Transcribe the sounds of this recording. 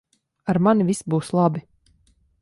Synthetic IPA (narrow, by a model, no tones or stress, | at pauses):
aɾmanivisbuːslˠabi